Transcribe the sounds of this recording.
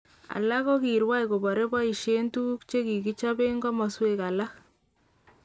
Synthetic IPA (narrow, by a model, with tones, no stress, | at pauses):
a̰˨la˦kɔ˦ki˨ɾwa˦jko˨bɔ˨ɾe˦bɔ˦i˨ʃe˦ntu˦kt͡ʃe˦ki˨ki˦t͡ʃa˦be˦ŋɡɔ˦mɔ˨sweka˨la˦k